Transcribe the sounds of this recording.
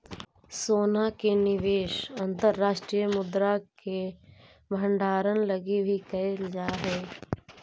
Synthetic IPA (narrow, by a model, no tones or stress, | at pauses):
soːnakenɪʋeːʃɐ̃nt̪əɾːaːʃʈɾijəmʊd̪ɾake | bʱə̃ɳɖaːɾənləɡibʱikɐeld͡ʒaːɦɛː